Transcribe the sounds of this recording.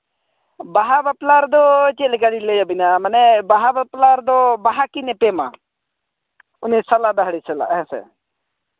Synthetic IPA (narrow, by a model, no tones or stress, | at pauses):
baɦabaplaɾd̪ɔt͡ʃelɡaɽiləjabɪnamənɛbaɦabaplaɾd̪ɔbaɦakinɛpema̰ | ʊnesalad̪aɦəɽisɛla̰ɦɛ̃sɛ̰